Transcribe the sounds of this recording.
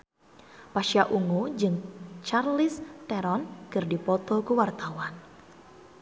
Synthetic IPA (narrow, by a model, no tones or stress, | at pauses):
paʃiaʔuŋud͡ʒɨŋt͡ʃarlist̪ɛɾɔnkɨrdipɔt̪ɔkuwart̪awan